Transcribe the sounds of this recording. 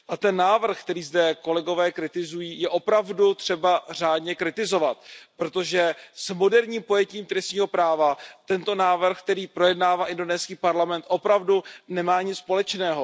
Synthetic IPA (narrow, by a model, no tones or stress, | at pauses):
ʔat̪ɛnːaːvr̩xkt̪ɛɾiːzdɛko̞lɛɡo̞vɛːkɾɪt̪ɪzujiːjɛʔopɾavdut̪r̝̥ɛbar̝aːdɲɛkɾɪt̪ɪzo̞vat̪̚pɾo̞t̪o̞ʒɛsmo̞dɛɾɲiːmpo̞jɛciːmt̪ɾɛsɲiːɦo̞pɾaːvat̪ɛnt̪o̞naːvr̩xk̚t̪ɛɾiːpɾo̞jɛdnaːvaːʔɪndo̞nɛːskiːpaɾlamɛnt̪ʔo̞pɾavdunɛmaːɲɪt͡sːpo̞lɛt͡ʃnɛːɦo